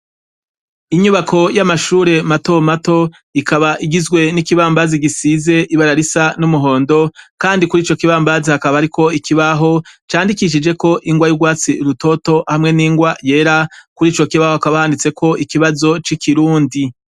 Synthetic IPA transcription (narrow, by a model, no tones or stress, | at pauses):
iɲuβakʰo̞jamaʃuːɾe̞mato̞mato̞ | ikʰaβaʔiɡizɡwe̞nikiβaːmbaziɡisize̞ʔiβaɾaɾisanumuɦo̞ːndo̞kaːndikuɾiːt͡ʃo̞kiβaːmbazihakaβaɾiko̞ikʰiβaɦo̞t͡ʃaːndikiʃ̬id͡ʒe̞ko̞ʔiŋɡwajuɡwaːt͡siɾuto̞to̞hamŋe̞niːŋɡwaje̞ːɾakuɾiːt͡ʃo̞kiβahohakaβahaːndit͡se̞kʰo̞ʔikiβazo̞t͡ʃikiɾuːndi